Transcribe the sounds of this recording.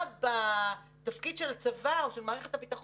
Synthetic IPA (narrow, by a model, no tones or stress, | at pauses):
ba | t̪afkid̪ʃe̞lat͡savaoʃelmaːʁeχet̪habit̪aχo